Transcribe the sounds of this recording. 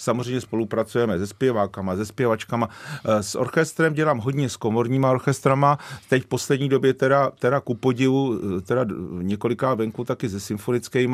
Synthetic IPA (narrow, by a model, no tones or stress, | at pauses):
samozrɛjmɲɛspo̞lupɾat͡sujɛmɛzɛspjɛvaːkamazɛspjɛvat͡ʃkamasʔo̞̰ɾxɛst̪ɾɛmɟɛlaːmɦo̞ɟɲɛsko̞mo̞ɾɲiːmao̞ɾxɛst̪ɾamat̪ɛcfpo̞slɛdɲiːdo̞bjɛt̪ɛɾat̪ɛdakupo̞ɟɪvut̪ɛdaɲɛko̞lɪkaːvɛŋkut̪akɪzɛsɪmfo̞nɪt͡skɛjma